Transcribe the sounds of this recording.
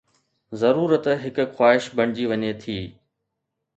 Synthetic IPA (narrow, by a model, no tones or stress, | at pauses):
zɐɾuːɾət̪ɦɪkʊ̆xwaːɦɪʃbʱɐɽ̃d͡ʑiʋɐɲet̪ʰiː